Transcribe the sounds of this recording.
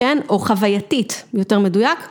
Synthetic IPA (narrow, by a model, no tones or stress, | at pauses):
enoχavajatitjote̞ʁme̞dujak